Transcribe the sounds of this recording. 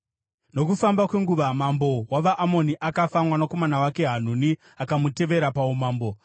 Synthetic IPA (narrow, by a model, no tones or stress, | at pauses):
no̞kufambakwe̞ŋɡuʋamambo̞waʋaʔːmo̞niʔakafamwanako̞manawake̞ɦan̤uni | akamute̞ʋe̞ɾapaumaːmbo̞